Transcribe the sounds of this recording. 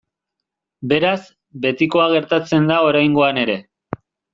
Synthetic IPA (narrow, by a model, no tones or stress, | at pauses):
be̞ɾaz | be̞t̪iko̞aɣ̞e̞ɾt̪at͡se̞nd̪ao̞ɾajŋɡo̞ane̞ɾe̞